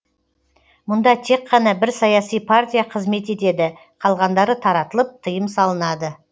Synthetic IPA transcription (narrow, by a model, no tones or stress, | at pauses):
mʊnd̪ɑt̪ʰe̞qːɑnɑbɪɾsɑjɑsijpʰart̪ʲijaqʰəzme̞t̪e̞t̪e̞d̪ɪ | qʰɑlˠʁɑnd̪ɑɾət̪ʰɑɾɑt̪əlˠəp̚t̪ʰəjəmsɑlˠənɑd̪ə